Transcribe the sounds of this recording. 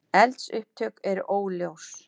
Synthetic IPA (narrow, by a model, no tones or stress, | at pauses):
ɛlt̪sʏhp̚t̪ʰœkɛɾoːwljows